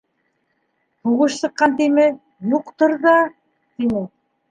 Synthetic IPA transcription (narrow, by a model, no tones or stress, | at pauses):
huʁɤʃsɤ̆qːɑnt̪imɘ | juqt̪ɤɾðɑ | t̪inɘ